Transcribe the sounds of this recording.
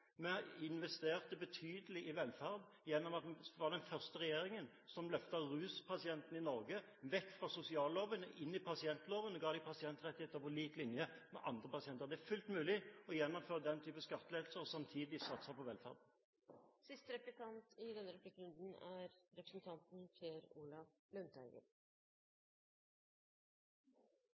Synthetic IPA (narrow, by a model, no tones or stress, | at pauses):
mɛɪnʋɛst̪eːʁt̪əbət̪ʰyːd̪əlɪʔɪʋɛlfæʁd̪ | jɛnːɔmɑt̪ʋɑd̪ɛnfœʁst̪əɾɛjeːɾɪŋən | sɔmlœft̪əʁʉːspʰɑsɪɛnt̪ən̩ɪnɔɾɡə | ʋɛkːfʁɑsʊsɪɑːlloːʋənəʔɪnːɪpʰɑsɪɛnt̪loːʋənəɡɑːd̪ɪpʰɑsɪɛnt̪ɾɛt̪ːɪheːt̪əʁpɔliːt̪lɪnjəmɛ̰ʔɑnd̪ʁəpɑsɪɛnt̪əʁd̪ɛæfʉlt̪mʉːlɪɔjɛnːɔmføːʁəd̪ɛnt̪ʰyːpəskɑt̪ːəleːd̪l̩səɔsɑmt̪ʰiːd̪ɪsɑt̪səpʰɔʋɛlfæ̰ːʁd̪n̩ | sɪst̪əɾɛplɪkɑnt̪ɪd̪ɛnːəɾʉplɪkːɾʉnd̪n̩æɾɾɛpɾəsn̩t̪ʰɑnt̪n̩fʰjeːɾuːlɑflʉnt̪ʰæɪɡə̰ɾ